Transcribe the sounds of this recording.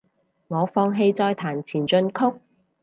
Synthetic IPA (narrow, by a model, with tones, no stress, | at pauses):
ŋɔː˨˧fɔː˧ŋɦe˧jt͡sɔː˧jt̪ʰaː˨˩nt͡sʰiː˨˩nt͡sɵ˧nkʰʊ˥k̚